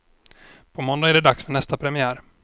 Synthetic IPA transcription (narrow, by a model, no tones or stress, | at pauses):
pʰɔmɔnd̪aæɖɛd̪aksfɛɳɛst̪apʰɾɛmɪæːɾ